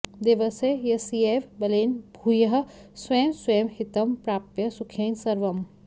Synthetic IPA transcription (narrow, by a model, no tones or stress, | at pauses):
d̪iʋɐsejɐsieʋbɐleːnbʱuːjɐɦ̆seːmsweːmhɪt̪ɐmpɾaːpjɐsukʰeːnsɐɾʋɐm